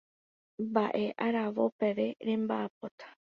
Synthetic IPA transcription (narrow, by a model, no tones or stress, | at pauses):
baʔeʔaɾaʋopeʋeɾembaːpot̪ḁ